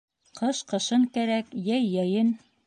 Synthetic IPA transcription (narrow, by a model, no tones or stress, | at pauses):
qʰɤʃqɤ̆ʃɤɴkæɾækjæjːæjɘn